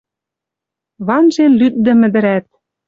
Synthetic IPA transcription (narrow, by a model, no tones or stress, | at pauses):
βɑnʒenlyt̪̚d̪ɘ̆mɘ̆d̪ɘ̆ɾæt̪̚